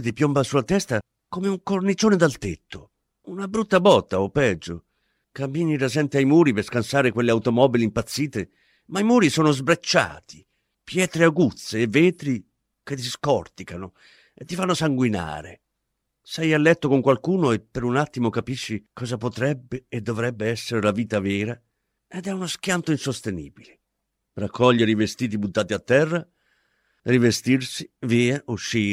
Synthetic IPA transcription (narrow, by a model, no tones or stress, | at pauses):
t̪̬ipjombasulːat̪ɛst̪a | komeuŋkornit͡ʃoːned̪alt̪et̪ːo | unabɾut̪ːabɔt̪ːaopːɛd͡ʒːo | kambiːniɾasɛnt̪iajmuːɾiperskansaːɾekwelːeawt̪omɔːbiliimpat̪sːiːt̪e | maimuːɾisoːnozbɾat͡ʃːa̰ːt̪ʰi̥ | pjɛːt̪ɾeaɡut̪sːeːvːeːt̪ɾi | ket̪ːiskɔrt̪ikano | et̪ːifanːosaŋɡwina̰ːɾḛ | sɛjalːɛt̪ːokoŋkwalkuːnoepːeɾunat̪ːimokapiʃːikɔːzapot̪ɾɛbːeːd̪ːovɾɛbːeɛsːeɾelaviːt̪avɛːɾa | ed̪ɛunosk̟jant̪oinsost̪enḭːbile | rakʰːɔʎːeɾivest̪iːt̪̬ibut̪ːaːt̪iat̪ːɛrːa | rivest̪irsiviːaʔuʃːiː